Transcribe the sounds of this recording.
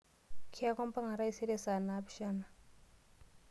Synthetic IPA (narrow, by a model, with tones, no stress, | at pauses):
kʰi˦a˦kɔ˦mpa˦ŋa˨ɾa˦i˦se˦ɾe˦sa˨na˦pʃa˦na˨